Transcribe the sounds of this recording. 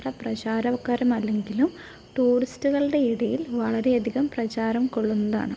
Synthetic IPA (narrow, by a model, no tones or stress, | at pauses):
rɐprɐt͡ɕaːɾɐʋkːaːɾumɐlːe̞ŋɡilum | ʈuːristuɣɐɭɖe̞iɽɐjilʋɐɭɐɾe̞ɐd̪ʱiɣɐmprɐt͡ɕaːɾɐmko̞ɭːunːɐða̰ːɳɨ